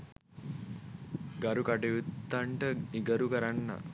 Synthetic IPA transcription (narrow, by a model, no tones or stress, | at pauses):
ɡaɾukaʈeʋut̪ːaɳʈəiɡəɾukəɾanːa̰